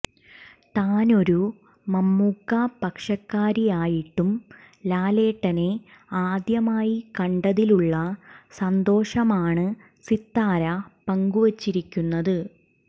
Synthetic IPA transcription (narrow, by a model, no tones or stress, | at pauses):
t̪aːno̞ɾu | mɐmːukːapɐkʂɐkːaːɾijaːjiʈːum | laːle̞ːʈːɐne̞aːd̪jɐmaːjikɐɳɖɐðiluɭːɐsɐnd̪o̞ːʂɐmaːɳɨ | sit̪ːaːɾɐpɐŋɡuʋɐt͡ɕːiɾikʲːunːɐðɨ